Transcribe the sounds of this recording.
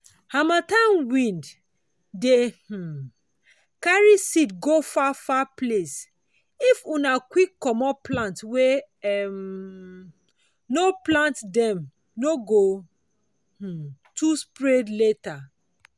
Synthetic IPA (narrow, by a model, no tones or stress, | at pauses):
hamatãnwĩnd | deh̩ | kaɹisidɡofafaples | ifunakwikːɔmɔplãntwe | ɛm | noplãntdɛ̃m | noɡo | h̩tuspɹedleta